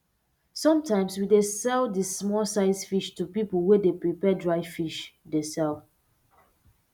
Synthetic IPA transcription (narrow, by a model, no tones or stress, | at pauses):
sɔ̃mtãɪ̃mswidesɛldismɔsaɪsfiʃtupipəlˠwɛdepɹipɛdɹaɪfiʃdesɛl